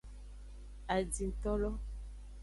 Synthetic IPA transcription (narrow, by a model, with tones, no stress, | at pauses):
a˨d͡zi˨n̩˨tɔ˦lɔ˦